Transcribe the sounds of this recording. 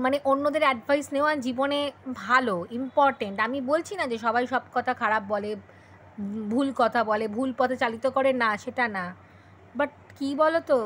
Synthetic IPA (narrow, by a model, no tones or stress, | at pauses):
maneʔonːod̪eɾɛɖbʱajsneoad͡ʑibonebʱaloimpɔɾʈeɳʈamibolt͡ɕʰinad͡ʑeʃɔbajʃɔbkɔt̪ʰakʰaɾabːɔle | bʱulkɔt̪ʰabɔlebʱulpɔt̪ʰet͡ɕalit̪okoɾenaʃeʈana | baʈ̚kibɔlot̪o